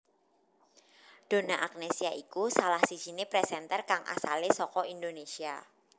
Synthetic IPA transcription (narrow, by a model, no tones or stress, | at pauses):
d̥o̤naʔak̚nesiaʔikusalahsi̥ʒ̥i̤nepɾɛsɛnt̪ɛrkaŋʔa̰salesɔkɔindonesia